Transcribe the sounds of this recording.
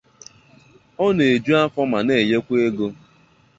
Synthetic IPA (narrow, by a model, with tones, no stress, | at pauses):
ɔ˦n˨e˨d͡ʒu˦a˦fɔ˦ma˨ne˨je˦kʷe˦ɡo˦